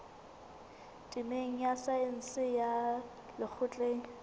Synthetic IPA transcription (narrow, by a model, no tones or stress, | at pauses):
tʼɪmeŋ̩jasaɪn̩sɪja | lɪk͡xʰʊt͡ɬʼeːŋ̩